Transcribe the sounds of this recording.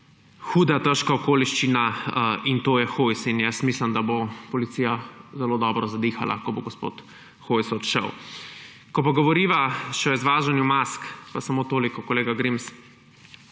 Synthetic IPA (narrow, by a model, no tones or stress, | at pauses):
xuːd̪at̪əʃkaɔkoːliʃt͡ʃinaint̪oːjɛxojsinjɛsmiːsləmd̪abopɔlit̪siːjazɛloːd̪ɔbɾɔzad̪iːxa̰lʔa̰kɔboɡɔspo̰ːt̪ | xojsɔt̪ʃə̰w | kɔpaɡɔʋɔɾiːʋaʃɛɔizʋaːʒanjumaskpasamoːt̪oːlikɔkɔleːɡaɡɾims